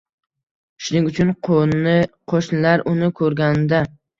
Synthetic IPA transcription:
ʃʊnɪŋʊt͡ʃʰʊn | qʰoʃnɪlaɾʔʊnɪkʰɵɾɡʲand̪a

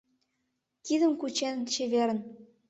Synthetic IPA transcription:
t̪id̪ə̆mkut͡ɕent͡ɕeβeɾə̆n

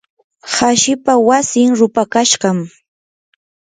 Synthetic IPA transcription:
haʃɪpawasɪŋɾʊpakaʃɢɑm

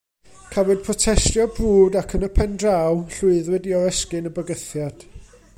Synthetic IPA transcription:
kʰavɔd̥̚pʰrɔtʰɛstjɔbruːdakʰənəpʰɛndrawɬʊɨðwɛdiɔɛskɨnəbəɡəθjad̥

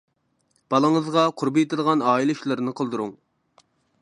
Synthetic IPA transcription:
b̥ɑlˠəŋəzʁɑqʰʊɾbɨjet̪ɪlˠʁɑnɑːilˠɪuʃlˠɨɾnɨqʰəlˠd̪uɾuŋ

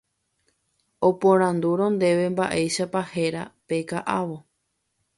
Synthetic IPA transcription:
opõɾ̃ãnd̪uɾõ̞nd̪e̞ʋe̞mbaʔe̞jʃapahe̞ɾape̞kaʔaʋo̞

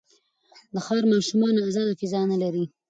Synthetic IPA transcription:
d̪əxɑɾmɑʃumɑnoazɑd̪okɪzɑnalaɾi

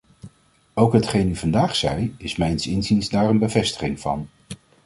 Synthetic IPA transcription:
owkɦətχejnyvɑndaːχsɛjɪsmɛjnsɪnzinzdaːrənbəvɛstə̥χɪŋv̥ɑ̰n

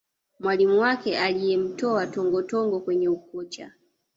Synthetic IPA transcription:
mwalimuwakɛʔalijɛm̩tɔatɔŋɡɔtɔŋɡɔkwɛɲɛukɔt͡ʃa̰

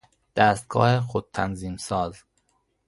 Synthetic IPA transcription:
d̪̥æst̪̚ɡ̥ɒ̰ːhexod̪̚t̪ʰænziːmsɒːz

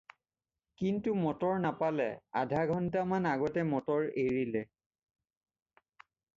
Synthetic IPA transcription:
kintumɔtɔɹnapalɛa̰dʱaɡʱɔntamanaɡɔtɛmɔtɔɹeɹilɛ

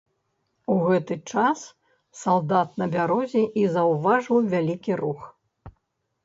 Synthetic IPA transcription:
uɣɛt̪ɨt͡ʂas | salˠd̪at̪nɐbʲaɾɔzʲɛʔizɐwvaʐɨwvʲalʲikʲiɾux

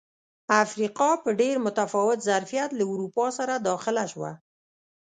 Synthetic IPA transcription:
afɾiqɑpəɖeɾmʊt̪afɑwɪt̪zaɾfijat̪lauɾupɑsaɾad̪ɑxɪlaʃwa̰

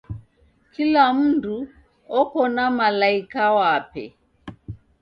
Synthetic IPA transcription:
kilam̩ndu | ɔkɔnamalaikawapɛ̰

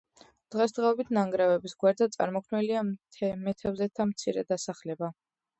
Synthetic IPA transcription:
d̪̥ʁɛsd̪ʁɛɔbit̪ʰnaŋɡɾɛvɛbisɡwaɾd̪zat̪sʼa̰ɾmɔkʰnɛliamɛt̪ʰɛvzɛt̪ʰamt̪sʰiɾɛd̪asaχlɛba

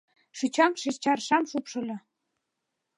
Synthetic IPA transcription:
ʃyt͡ɕɑmʃest͡ɕɑrʃɑmʃupʃɤ̆lʲɤ̆

